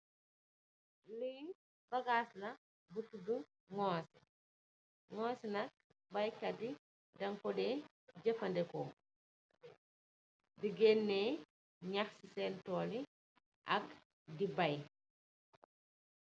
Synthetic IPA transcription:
li | bɐɡaːslɐ | butudu | ŋɔːs | ŋɔːsnɐk̚ | bɐjkɐdi | dɐŋkɔdɛ | ɟɐfɐndɛkɔ | diɡɛnːɛ | ɲaxsisɛːntɔːli | ʔɐk | dibɐj

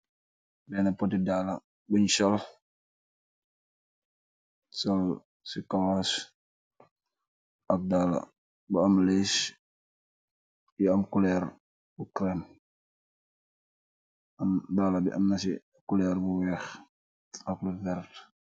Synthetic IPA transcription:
dɛnɐpɔtidala | buɲsɔl | sɔl | sikawas | ɐk̚dala̰ | buɐmles | jiɐmkulɛɾ | bukɾɛn | ɐmdaːlabḭʔɐmnɐs̬i | kulɛːɾbuwɛx | ɐk̚luvɛɾt

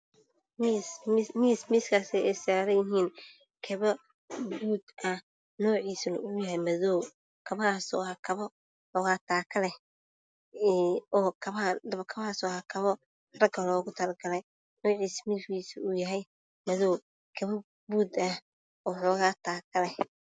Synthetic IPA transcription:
mismiːsmiːskʰaːsɛɛjsaːɾɐjɪɦiːn | kʰɐβɐ | buːd̪ʔɐh | nɔːʕiːsnʊ̰ʊʊjɐɦɛjmɐðɔːw | kʰɐβɐaːsɔ̰ːaːkʰɐβɔ | ħɔːɣaːt̪ʰaːkʰɐlɛ | ɔːkʰɐβd̪βkʰɐβaːsɔːhakʰɐβɔ | rɐɡʰɐlɔːɣʊt̪ʰɐlɐɡɐlɛj | nɔːʕiːsmifkiːsujɐɦɛj | mɐðɔː | kʰɐβɐ | buːd̪ɐh | ɔːħɔːɣaːt̪ʰaːkʰɐlɛ

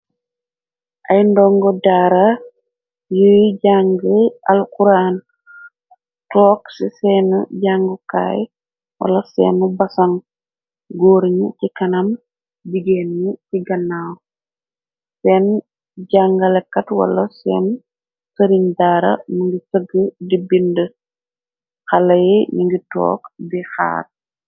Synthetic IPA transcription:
ʔajndɔŋɡɔdaɾa | jujiɟaŋɡəalkuɾan | tɔːksisɛnuɟaŋɡuka̰ːj | wa̰lasɛ̰ːnubasaŋ | ɡoːɾɲucikanam | biɡenɲiciɡɐnːaːw | sɛːn | ɟaŋɡɐlɛkːɐtwɐ̰lːɐsɛ̰ːn | səɾiɲdaːɾɐ̰nuŋɡisəɡədibində | xɐlɐjiɲiŋɡitɔ̰ːkdixa̰ːt̚

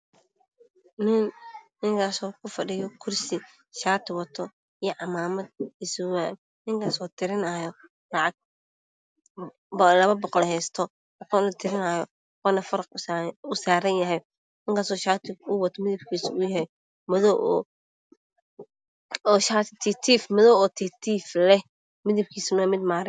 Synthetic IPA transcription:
nɪnnɪŋkʰaːsɔːkʰʊfɐɖɪjɔkʰʊrsɪ | ʃaːt̪ʰɪwɐt̪ʰɔ | ijɔʕɑmaːmɐd̪̚ɪsʊwaːn | nɪŋkʰaːsɔːt̪ʰɪɾɪnajɔ | lɑʕɑɡ̚ | lɐβɐbɔqɔlhɛːst̪ʰɔ | qɔnɐt̪ʰɪɾɪnɐːjɔ | qɔnɐfɐɾɐqːʊsaːɾɐnjɐɦɛj | nɪŋkʰaːsɔːʃaːt̪ʰɪʊwɐt̪ʰɔmɪðɪbkʰiːsʊjɐhɛj | mɐðɔʔɔ̰ | ɔʃaːt̪ʰt̪ʰit̪ʰiːfmɔðɔːwɔːt̪ʰit̪ʰiːflɛ | mɪðɪb̚kʰiːsʊnamɪd̪maːɾɪ

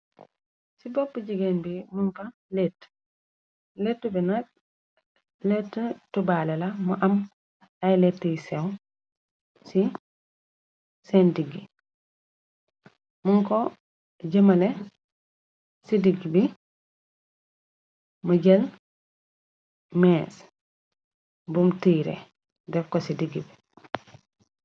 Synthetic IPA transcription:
sibopːəɟiɡenbimunfa | let | letːubinat̚ | letːətubaːlelamuʔɐm | ajletːəjisew | si | sendiɡi | muŋko | ɟɐmɐle | sidiɡibi | muɟel | mɛːs | bumtiɾḛ | dɛfkosidiɡːibi

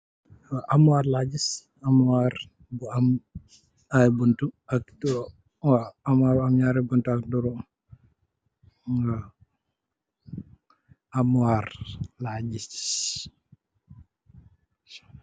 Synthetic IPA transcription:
waʔamuwaːɾlaɟis | amwaɾ | buam | ajbuntuaktu | waamaɾamɲaːɾɛbuntuak̚duɾɔ | a | amaɾlaɟiss

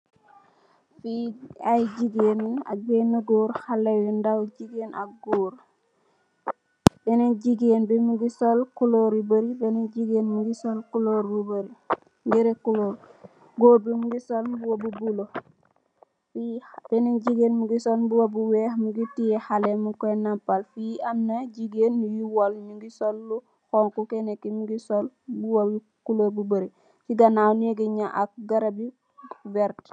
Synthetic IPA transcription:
fiajd͡ʒiɡena̰bɛnaɡoːɾhalɛwundawd͡ʒiɡena̰ɡoɾ | bɛnɛd͡ʒiɡenbɛmuɡisɔlkuloɾubəɾibɛnɛd͡ʒiɡenmuɡisɔlkuloɾwubaɾi | ɡɛɾɛkuloɾ | ɡoɾbimuɡisɔlbuwabubulɔ | fipeneŋɟiɡeːnmuɡisolbuwabuwehmuɡitiehalemukonampalfiʔamnaɟiɡenːujiwolɲuɡisolːu | xoŋkukenekːimuɡisol | buwal | kulobubəɾi | fiɡanaːneɡiɲaʔak̚ɡaɾabi | vɛɾt

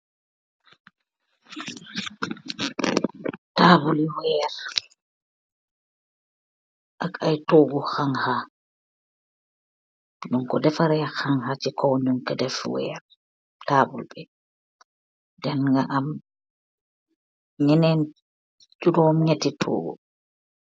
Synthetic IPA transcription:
taːbuliwɛːɾ | ʔakajtoːɡuxaŋha | nɔŋkɔdɛfaɾɛaxaŋhat͡ʃikɔwɲɔŋkɛdɛfwɛ̰ːɾ | taːbulbɛ | dɛnŋɡaʔam | ɲɛnɛn | t͡ʃudɔmɲɛtːitʰo̰ːɡṵ

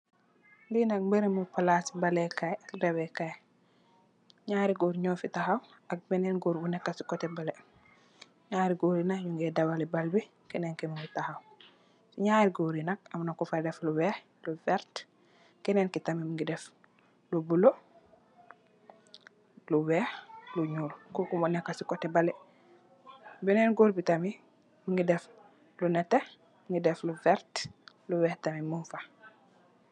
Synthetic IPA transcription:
dinak̚mbeɾimupalasi̥balɛkajak̚dawɛkaj | ɲaːɾiɡuːɾɲɔːfitaɦaw | ak̚bɛnɛnɡuɾbunɛkːasi̥kɔtɛbalɛ | ɲaːɾiɡuːɾinajuŋɡɛdawalibalbi | kɛnɛnkɛmiŋɡitahaw | siɲaɾiɡuɾinakamnakufadɛfluwɛ | lufɛɾt | keneːnkitamimuŋɡidɛf | lubulo | luwɛhluɲuːlkokumonɛkːasikotːebale | bineːnɡoːɾbitami | muŋɡidɛf | lunɛte | mŋɡidɛfluvɛɾt | luwɛhtamimufa

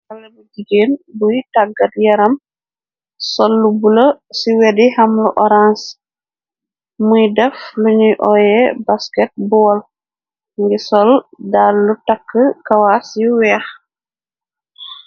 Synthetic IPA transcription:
ɐlːɐmud͡ʒiɡeːnbujtaɡɐtjɐɾɐm | sɔlːubuləsiwɛdihamluʔɔɾans | mujdɛfluɲujʔɔjɛbaskɛt̚bɔːl | ŋɡisɔldalːutakːəkɐwasiwɛx

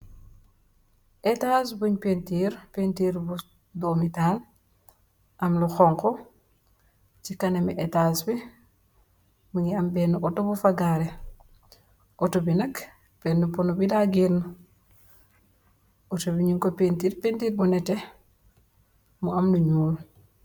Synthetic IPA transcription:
ʔetasbuɲpentiɾpentiːɾbu | domital | ʔɐmlɔxɔŋkɔ | t͡ʃikanemiʔetasbi | muŋiambenːuʔɔtobufaɡaɾe | ʔotobinɐk | b̥enːupunubidaɡinu | otobiɲiŋkopentiːɾpentiɾbunɛte | muamluɲuːl

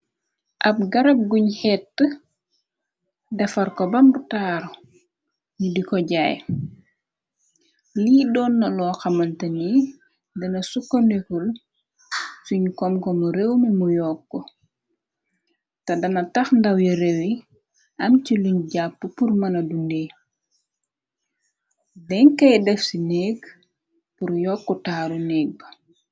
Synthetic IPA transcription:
ʔɐp̚ɡɐɾɐb̚ɡuɲhɛtːə | dɐfɐrkɔbɐmbutaːɾ | ɲudikɔɟaːj | liːdɔːnːɐlɔːxɐmɐntɐni | dɐnɐsukːɐnekul | suɲkɔmkɔmuɾewmɐmujɔːkːɔ | tɐdɐnɐtɐxndɐwjiɾɛwi | ʔɐmciluɲɟapːəpurmɐnɐdundeː | dɛŋkɐjdɛfsinɛːk | puɾjɔːkːɔtaːɾunɛːk̚b

